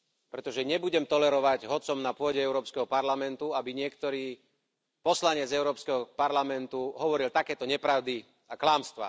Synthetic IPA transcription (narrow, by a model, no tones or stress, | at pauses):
pɾɛt̪ɔʒɛɲɛbuɟɛmt̪ɔlɛɾɔʋaɟɦɔt͡sɔmnapʊɔɟɛɛʊɾɔːpskɛɦɔpaɾlamɛnt̪uabiɲɪɛkt̪ɔɾiː | pɔslaɲɛd͡zɛʊɾɔːpskɛɦɔpaɾlamɛnt̪uɦɔʋɔɾilt̪akɛːt̪ɔɲɛpɾaʊd̪i | aklaːmst̪ʋa̰